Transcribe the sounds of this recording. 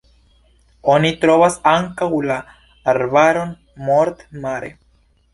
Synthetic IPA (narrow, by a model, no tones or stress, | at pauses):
onit̪ɾovasaŋkawlaː | ɾbaɾo̞n | moɾt̪maɾḛ